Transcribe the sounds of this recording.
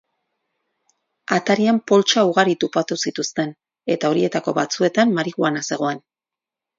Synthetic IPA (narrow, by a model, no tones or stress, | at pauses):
at̪aɾiampo̞lt͡ʃauɣaɾit̪upat̪usit̪ust̪e̞n | e̞t̪ao̞ɾie̞t̪ako̞βat͡sue̞t̪amːaɾiɣuanase̞ɣ̞o̞e̞n